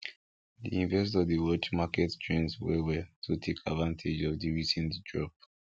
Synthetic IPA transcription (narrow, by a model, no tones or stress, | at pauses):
dḭĩɱvɛs̬tɔvdəwɔt͡ʃmakɛtt͡ʃɹɛ̃nswɛwɛtʰutʰekʰadvãntʰed͡ʒɔvdiɹisɛ̃ntdɹɔp̚